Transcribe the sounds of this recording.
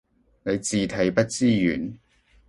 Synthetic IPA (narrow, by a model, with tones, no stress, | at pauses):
ne˨˧jt͡siː˨t̪ʰɐ˨˥jpɐ˥t̚t͡siː˥jy̰ː˨˩n